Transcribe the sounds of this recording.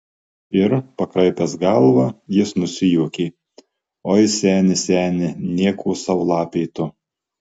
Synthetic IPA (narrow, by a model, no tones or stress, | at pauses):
ɪɾpɐkɾɐɪpʲɛsɡɐlˠʋɑjɪsnʊsʲɪjuːkʲeː | oːjɪsʲæːnʲɪsʲæːnʲɪnʲiɛkʰuːsɑʋʊlˠɑːpʲeɪt̪ʊ